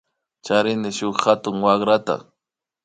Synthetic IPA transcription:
t͡ʃaɾɪnɪʃʊχhat̪ʊŋwaχɾat̪a̰

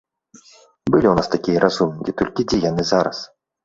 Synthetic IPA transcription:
bɨlʲiwnast̪akʲijɐɾʔazumʲkʲit̪ɔlʲkʲid͡zʲɛjanɨzaɾɐ̰s

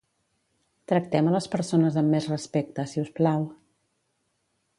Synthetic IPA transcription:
t̪ɾək̚t̪ɛmələspəɾsonəzəmːezrəspek̚t̪əsiusplaw

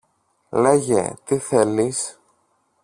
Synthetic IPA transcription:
le̞ʝḛt̪iθe̞lis

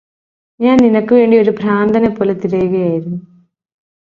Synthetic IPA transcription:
ɲaːnninɐkːɨʋe̞ːɳɖio̞ɾupɾaːnd̪ʱɐnepːoːlet̪iɽɐjuɣɐjaːjiɾunːu

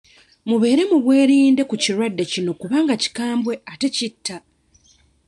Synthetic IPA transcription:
muβe̞ːɾe̞muβwe̞ːɾiːnde̞kuciɾwadːe̞cino̞kuβaːŋɡaci̥kaːmbwe̞ate̞citʰːa

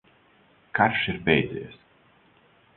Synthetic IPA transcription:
kaɾʃiɾpɛjd̪zʲɛ̰jɛs

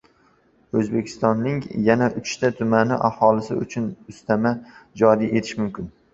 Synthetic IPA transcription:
ɵzbe̞kʲʰɪ̥st̪ɒnːɪŋjanaʔʊt͡ʃt̪ʰat̪ʰʊmanɪʔahɒlɪsɪʊ̰t͡ʃʰʊnʊst̪amad͡ʒɒɾiʔe̞t̪ʰɪʃmʊmkʲɪn

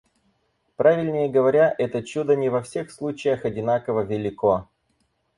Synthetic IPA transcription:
pɾavʲɪlʲnʲɪjəɡəvɐɾʲaʔɛt̪ət͡ɕud̪ənʲɪvɐfsʲexslˠut͡ɕɪjəxɐdʲɪnakəvəvʲɪlʲɪko

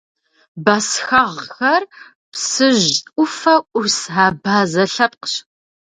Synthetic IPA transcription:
baːsxɐʁxɐr | psɨʑʷʊfɐʔʷʊsaːbaːzɐɬɐp̚qɕ

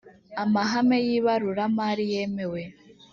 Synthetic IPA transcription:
amaɦamejiβaɾuɾamaɾije̞me̞we̞

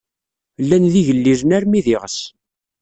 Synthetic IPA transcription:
lːænðiʝəlːiɾənæɾmiðɪʁəs

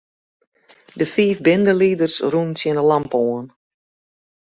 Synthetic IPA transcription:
dəfiːfbɪndəlidərsrunsjɪnəlampoən

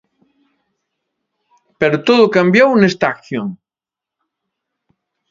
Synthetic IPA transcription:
peɾʊt̪oðʊkambjownest̪akθjoŋ

